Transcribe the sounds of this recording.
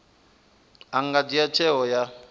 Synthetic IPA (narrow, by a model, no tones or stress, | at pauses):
aŋɡadijat͡ʃʰɛɦɔja